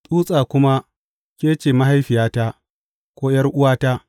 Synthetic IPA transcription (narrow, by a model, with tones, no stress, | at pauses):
tʼuː˦sʼaː˨kʷʊ˦ma˦ | kʲeː˦t͡ʃeː˨ma˦ɦa˦jɸɪ˨jaː˦ta˦ | kʷoː˦jɐ˦rʔʊ˦waː˦taː˦